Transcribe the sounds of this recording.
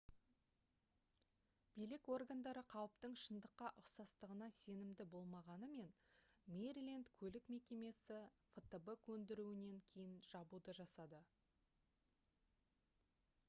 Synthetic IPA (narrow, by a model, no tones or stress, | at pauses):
b̥ijlɪko̞rɡand̪ɑɾəqʰɑwəpt̪əɴʃənd̪əqːɑʔʊqsɑst̪əʁənɑse̞nɪmd̪ɪbo̞lˠmɑʁɑnəme̞nmeɾilʲent̪kʲʰɵlɪkme̞kʲe̞me̞sɪfət̪əbəkʰɵnd̪ɪɾuɪne̞ŋkʲʰe̞jɪnʒ̥ɑbud̪əʒɑsɑd̪ə